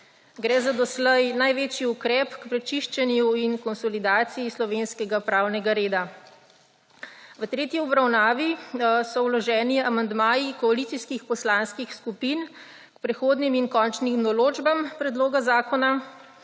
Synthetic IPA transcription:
ɡɾɛːzad̪ɔslɛjnajʋeːt͡ʃiukɾɛpkpɾɛt͡ʃiʃt͡ʃɛnjuinkɔnsɔlid̪aːt̪sijislɔʋeːnskɛɡapɾaːwnɛɡaɾeːd̪a | ʋət̪ɾeːt̪iɔbɾawnaːʋisɔwlɔʒɛːniamand̪maːjikɔalit̪siskixpɔslaːnskixskupin | kpɾɛxoːd̪niminkɔːnt͡ʃnimnɔloːd͡ʒbampɾɛd̪loːɡazaːkɔna

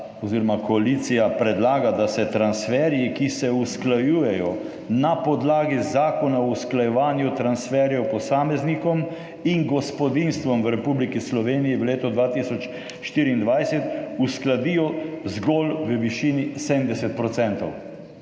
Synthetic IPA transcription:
ɔziɾɔmakɔaliːt̪sijapɾɛd̪laːɡad̪asɛt̪ɾansfɛːɾjikisɛusklajuːjɛjɔ | napɔd̪laːɡizzaːkɔnausklajɛʋaːnjut̪ɾansfɛɾjɔpɔsaːmɛznikɔm | iŋɡɔspɔd̪inst̪ʋɔmʋɾɛpublikislɔʋeːnijiʋleːt̪ɔd̪ʋaːt̪isɔt͡ʃ | ʃt̪iːɾiːnd̪ʋajsɛt̪usklad̪ijɔzɡɔlʋəʋiʃiːnisemd̪ɛsɛt̪̚pɾɔt̪sɛnt̪ɔw

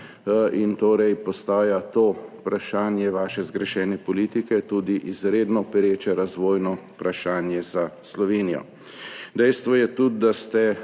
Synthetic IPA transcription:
int̪oːɾɛjpɔst̪aːjat̪oːpɾaʃaːnjɛʋaːʃɛzɡɾɛʃɛːnɛpɔliːt̪ikɛt̪uːd̪iʔizɾeːd̪nɔpɛɾeːt͡ʃɛɾazʋoːjnɔpɾaʃaːnjɛzaslɔʋeːnijɔ̰ | d̪ɛjst̪ʋɔjɛt̪ud̪̚d̪ast̪ɛ

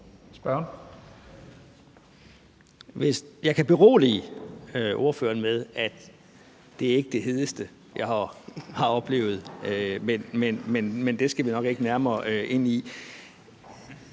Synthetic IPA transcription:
sb̥ɶɐn | ʋe̝sjɑ̈ɪkʰæb̥e̝ʁo̝̰ːliøʔo̝ɐfø̰ːɐnmeð̞ˠæd̥ | d̥e̝æɐe̝ɡ̥əd̥e̝ɦe̝ð̞ˠəsd̥ə | jɑ̈ɪhɑ̈hɑ̈ɒ̽b̥le̝̰ːʊð̩ˠømenmenmenmend̥e̝sɡ̥æʋinɒ̽ɡ̥e̝ɡ̥ənæɐmɐːʔe̝n̰i

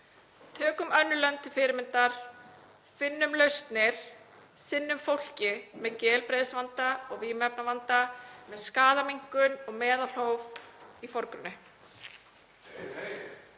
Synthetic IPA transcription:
t̪ʰœːkʏmœnːʏlœnt̪ʏfɪːɾɪmɪnt̪aɾ̥ | fɪnːʏmlœɥst̪nɪɾ̥ | sɪnːʏmfowl̥cɪmɛðcɛːlpɾeːjðsvant̪aɔɣviːmɛp̚navant̪amɛðskaːðamiŋ̥kʏnɔɣmɛːðal̥howvifɔɾkɾʏnːɪ

